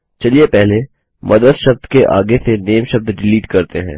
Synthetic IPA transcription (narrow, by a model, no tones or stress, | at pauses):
t͡ʃɐliepɛɦle | mʔɐd̪əd̪ʃɐb̚d̪keʔa̰ːɡeseneːmʃɐb̚d̪ɖɪliːʈkɐɾt̪eɦɛ̰̃ː